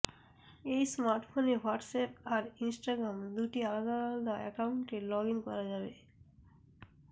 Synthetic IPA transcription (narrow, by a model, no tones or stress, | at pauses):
ejsmaɾʈfonewaɾʈsɛp̚aɾinsʈaɡɾamd̪uʈialad̪alald̪aɛ̰kawuɳʈelɔɡiŋkɔɾad͡ʑabe